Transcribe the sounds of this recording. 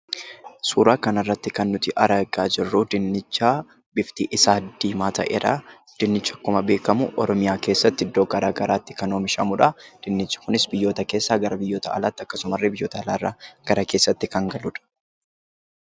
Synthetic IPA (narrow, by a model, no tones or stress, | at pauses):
suːɾaːkɐnɐrːɐt̪ːɪkɐnːʊt̪ɪʔɐɾɐɡaːd͡ʒɪrːuːd̪ɪnːɪt͡ʃːaː | bɪft̪iːʔɪsaːd̪ːiːmaːt̪ɐ̰ʔɛɾɐ | d̪̥ɪnːɪt͡ʃːɐkːʊmɐbe̞ːkɐmʊ̰ʔɔɾɔmɪjaːke̞ːsːɐt̪ːɪɪd̪ːo̞ːɡɐɾaːɡɐɾaːt̪ːɪ̥kɐnoːmɪʃɐmʊᶑɐd̪̥ɪnːɪt͡ʃːɐ̥kʊnɪsbɪjːo̞ːt̪ɐke̞ːsːaːɡɐɾɐbɪjːoːt̪ɐʔɐ̰laːt̪ːɪɐkːɐsʊmɐrːɪbɪjːo̞ːt̪ɐːlaːrːa̰ːɡ̥ɐɾakeːsːɐt̪ːɪkɐŋɡɐlʊᶑɐ̥